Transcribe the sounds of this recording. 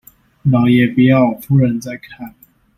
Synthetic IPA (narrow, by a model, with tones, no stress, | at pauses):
nɑ˨˦jɛ˨˩pu˨˩jɑ˥˩ʊ˨fʰu˥ɻə˨˧˦nt͡sa˥˧ɪkʰa˥˨n